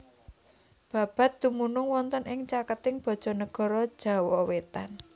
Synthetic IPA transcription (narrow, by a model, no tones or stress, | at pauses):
b̥ä̤b̥a̤t̪̚d̪̥umunʊŋwɔnt̪ənʔɪŋt͡ʃakət̪ɪŋb̥ɔ̤d̥ʒ̥ɔ̤nəɡ̥ɔ̤ɾɔ̥ʒ̥a̤wɔwet̪a̰n